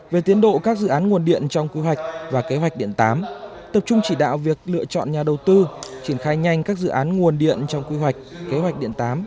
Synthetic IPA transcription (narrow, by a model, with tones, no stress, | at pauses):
ve˨˩t̪i˨˦ənɗo̰˧˨kaː˦˥k̚zɨ̰˧˨ʔaː˨˦nŋu˨˩ənɗḭ˧˨ənt͡ɕɔ˧wŋ͡mkwi˧ɦwa˨˩jk̟̚vaː˨˩ke˨˦ɦwa˨˩jk̚ɗḭ˧˨ənt̪aː˨˦m | t̪ə˨˩p̚t͡ɕʊ˧ŋ͡mt͡ɕi˧˩ɗa̰ː˧˨wvi˨˩ək̚lɨ̰˧˨ət͡ɕɔ̰˧˨nɲaː˨˩ɗə˨˩wt̪ɨ˧t͡ɕi˧˩ənxaː˧jɲa˧jŋ̟kaː˦˥k̚zɨ̰˧˨ʔaː˨˦nŋu˨˩ənɗḭ˧˨ənt͡ɕɔ˧wŋ͡mkwi˧ɦwa˨˩jk̟̚ke˨˦ɦwa˨˩k̟̚ɗḭ˧˨ənt̪aː˨˦m